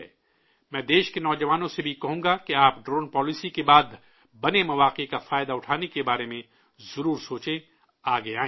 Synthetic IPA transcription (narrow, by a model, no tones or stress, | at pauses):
mɛ̃ːd̪eːʃkenɔːd͡ʒɐʋaːnõsebʱikɐɦũːɡakeaːpɖɾoːnpɔːlɪsikebaːd̪ | bɐnemɐʋaːqekafaːɪd̪aʊʈʰaːnekebaːɾemẽ | zɐɾuːɾsoːt͡ʃẽ | aːɡeãː